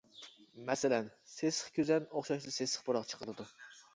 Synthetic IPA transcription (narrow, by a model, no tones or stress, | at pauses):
mɛsɪlɛnsesə̥χkʲøzɛnoχʃɑʃd̪ɨsesə̥χboɾɑʁt͡ʃʰə̥qʰəɾɨd̪u